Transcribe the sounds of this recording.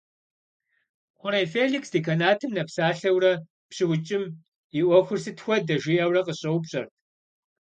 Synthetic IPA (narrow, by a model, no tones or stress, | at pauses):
qʷʊɾɐjfeːɮiksdiːkʰɐnaːtʰɨmnɐpsaːɬɐwrɐ | pɕɪwʷʊt͡ʃʼɪm | iʔʷɔxʷʊrsɨtʰxʷɔdɐʒʷiːɐwrɐqəɕʼɐwpɕʼɐrt̚ʰ